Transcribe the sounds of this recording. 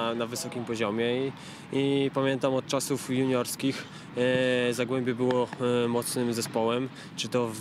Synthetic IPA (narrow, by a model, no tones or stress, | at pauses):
navɘsɔkʲimpɔʑɔmʲjɛi | ipamʲjɛnt̪amɔt̪̚t͡ʂasufjuɲɔɾskʲix | zaɡwɛmbʲɛbɘwɔmɔt̪snɘmzɛspɔwɛm | t͡ʂɘt̪ɔ